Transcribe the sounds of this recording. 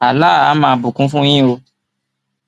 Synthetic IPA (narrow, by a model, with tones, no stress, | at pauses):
a˨la˦˨a˦mã˧˦bũ˨kũ˦fũ˦j̃ĩ˦o˧